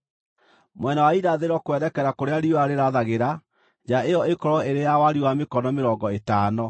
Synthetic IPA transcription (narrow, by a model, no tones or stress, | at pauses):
mwɛnawaiɾaðeɾɔkwɛɾɛkɛɾakoɾeaɾioaɾeɾaðaɣeɾa | d͡ʑaeɔekɔɾɔeɾejawaɾiwamekɔnɔmeɾɔŋɡɔetaːnɔ